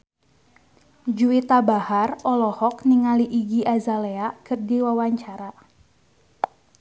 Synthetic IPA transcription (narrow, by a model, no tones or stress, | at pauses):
d͡ʒuit̪abaharɔlɔhɔk̚niŋaliʔiɡiʔazaleakɨrdiwawaɲt͡ʃaɾa